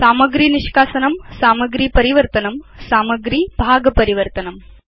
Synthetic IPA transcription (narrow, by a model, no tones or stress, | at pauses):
saːmɐɡɾiːniʃkaːsɐnɐmsaːmɐɡɾiːpɐɾiʋɐɾt̪ɐnɐmsaːmɐɡɾiːbʱaːɡɐpɐɾiʋɐɾt̪ɐnɐm